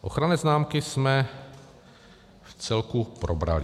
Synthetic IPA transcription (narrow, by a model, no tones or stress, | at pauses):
ʔo̞xɾanɛːznaːmkɪsmɛ | ft͡sɛlkupɾobɾa̰lɪ